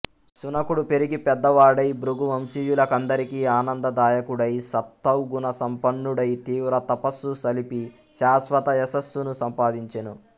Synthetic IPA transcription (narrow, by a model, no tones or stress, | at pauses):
sunɐkuɽupe̞ɾiɡipɛd̪ːɐʋaːɽɐjbɾuɡumɐmsijulɐkɐnd̪ɐɾikiaːnɐnd̪ɐd̪aːjɐkuɽɐjsɐt̪ːɐwɡunɐsɐmpɐɳːuɽɐjt̪iːʋɾɐt̪ɐpɐsːusɐlipi | ʃaːsʋɐt̪ɐɛsɐsːunusɐmpaːd̪iɲt͡ʃɐnu